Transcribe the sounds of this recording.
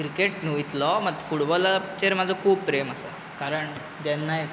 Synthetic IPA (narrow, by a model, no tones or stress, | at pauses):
kɾikeʈnuit̪lɔməɡ̪fuʈbɔlat͡ɕeɾmad͡zʱɔkʰuːb̚pɾeməsa̰ | kaɾəɳ | d͡ʑ̪ɛnːaj